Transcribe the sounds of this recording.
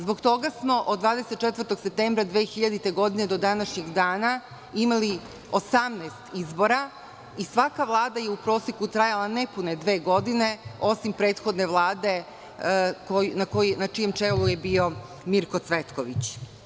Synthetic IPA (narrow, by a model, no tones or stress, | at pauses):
zbo̞ɡt̪o̞ɡasmo̞ʔod̪ːʋaːd̪eset̪̚ːt͡ʃet̪ʋəɾt̪o̞ɡ̥sep̚t̪eːmbɾad̪ʋeːxiʎad̪it̪e̞ɡo̞d̪ine̞d̪o̞d̪anaʃɲeɡd̪aːna | imali | o̞samneːst̪izbo̞ɾa | isʋakaʋlˠaːd̪aje̞upɾo̞ːsekut̪ɾajalˠanepune̞d̪ʋe̞ːɡo̞d̪ine̞o̞simpɾe̞ːt̪xo̞d̪ne̞ʋlˠaːd̪e̞ | konakonat͡ʃije̞mt͡ʂe̞lujebio̞ | miɾko̞t̪sʋet̪koʋḭt͡ɕ